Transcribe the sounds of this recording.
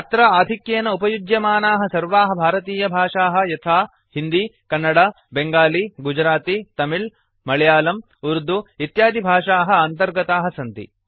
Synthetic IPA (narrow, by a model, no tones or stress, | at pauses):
ɐt̪ɾɐaːd̪ʱikjeːnɐupɐjud͡ʒjɐmaːnaːɦɐ̆sɐɾʋaːɦɐ̆bʱaːɾɐt̪iːjɐbʱaːʂaːɦɐ̆jɐt̪ʰaː | hind̪ikɐnːɐɽɐ | beŋɡaːliɡud͡ʒɾaːt̪it̪ɐmil | mɐɭjaːlɐm | uɾd̪uit̪jaːd̪ʱibʱaːʂaːɦɐ̆ɐnt̪ɐɾɡɐt̪aːɦɐsɐnt̪ḭ